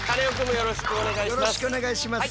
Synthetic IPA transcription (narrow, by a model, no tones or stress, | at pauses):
kaneokɯmojoɾoɕi̥kɯoneɡaijoɾoi̥kɯone̞ɡaiɕimas